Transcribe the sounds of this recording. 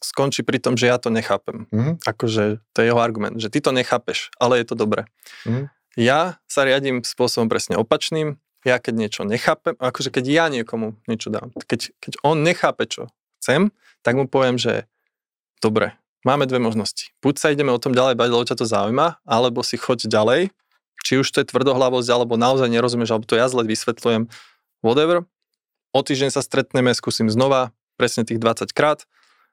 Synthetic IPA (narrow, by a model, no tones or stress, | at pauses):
skɔnt͡ʃipɾit̪ɔmʒɛjat̪ɔɲɛxaːpɛmakɔʒɛt̪ɔjɛjɛɦɔaɾɡumɛ̰nd̪ʒɛt̪it̪ɔɲɛxaːpɛʃʔalɛjɛt̪ɔd̪ɔbɾɛ | jasaɾɪaɟimspʊɔsɔbɔmpɾʔɛsɲɛɔpat͡ʃniːm | jakɛɟɲɪɛt͡ʃɔɲɛxaːpɛmakɔʒɛkɛɟjaɲɪɛkɔmuɲɪɛt͡ʃɔd̪a̰ːmkɛɟkɛɟɔnɲɛxaːpɛt͡ʃɔ̰ | xt͡sɛm | t̪aɡmupɔʋɪɛmʒɛ̰ | d̪̥ɔbɾɛ̰ | maːmɛd̪ʋɛmɔʒnɔsci̥b̥ucsaiɟɛmɛɔt̪ɔmɟalɛjbaɟlɛbɔcat̪ɔzaujmaalɛbɔsixɔɟɟalɛj | t͡ʃiuʃt̪ɔjɛt̪ʋr̩d̪ɔɦlaʋɔzɟalɛbɔnaɔzajɲɛɾɔzumɪjɛʒalɛbɔt̪ɔjazlɛʋisʋɛt̪lujɛm | ʋɔd̪ɛʋɾ | ɔt̪iːʒɟɛɲsast̪ɾɛt̪ɲɛmɛskuːsimznɔʋa | pɾɛsɲɛt̪iːɣd̪ʋat͡sackɾaːt̪